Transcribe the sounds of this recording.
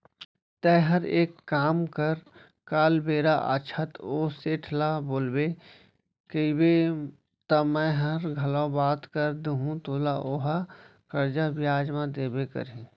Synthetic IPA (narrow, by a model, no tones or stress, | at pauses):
t̪ɛɦɐɾeːkːaːmkəɾ | kaːlbeːɾaʔə̰t͡ʃʰət̪oːseːʈʰlaboːlbe | kəibe | t̪ɐmɛ̃ɦɐɾɡʱɐlõbaːt̪kəɾd̪uɦũt̪oːlaʔoːɦakəɾd͡ʒabɪjaːd͡ʒmãd̪eːbekə̰ɾẽ